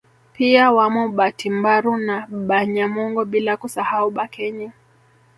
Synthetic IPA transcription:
piawamɔɓatimbaɾunaɓaɲamɔŋɡɔɓilakusahauɓakʰɛɲa

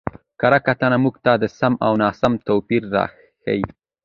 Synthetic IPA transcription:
kaɾakat̪anamuɡt̪ɑd̪əsamawnɑːsamt̪opiɾːɑ̰x | a̰wi

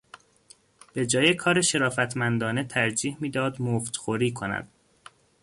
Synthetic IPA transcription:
b̥e̞d͡ʒɒːjekʰɒːɾeʃe̞ɾɒːfæt̪ʰmænd̪ɒːnet̪ʰæɾd͡ʒiːhmiːd̪ɒːd̪moft̪xoɾiːkʰo̞næ̰d̪̥

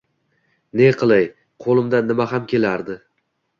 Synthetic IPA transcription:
ne̞qʰɨlˠaj | qʰolˠɪmd̪anːɪmaɦamkʲʰe̞laɾd̪ɪ

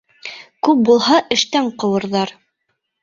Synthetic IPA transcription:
kʉp̚bulˠɦɑʔɘ̆ʃt̪æɴqɤ̆wɤ̆ɾðɑɾ

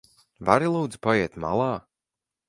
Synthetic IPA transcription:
vaɾilˠuːd̪zpajɛɛt̪ma̰lˠɑː

